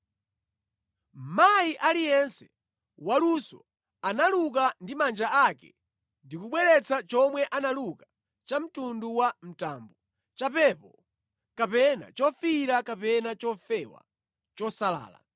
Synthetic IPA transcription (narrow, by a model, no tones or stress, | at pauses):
majiʔalijɛnsɛ | walusɔ̰ | analuk̬andimand͡ʒaakɛ̰ | ndikuɓwɛɾɛt͡sʰat͡ʃɔmwɛʔanaluka | t͡ʃam̩tunduwam̩taːmbu | t͡ʃapɛpɔ | kapɛna̰t͡ʃɔfiɾakapɛnat͡ʃɔfɛwa̰ | t͡ʃɔsala̰ːla̰